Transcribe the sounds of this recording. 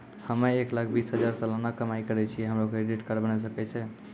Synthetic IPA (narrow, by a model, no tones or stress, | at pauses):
həmɛeklak̚ʰbisɦəd͡ʒaɾsə̃lənakəmaikəɾɛt͡ʃʰijɛɦəmɾokeeɖiʈkəɾbənɛs̬əkɛt͡ʃʰɛ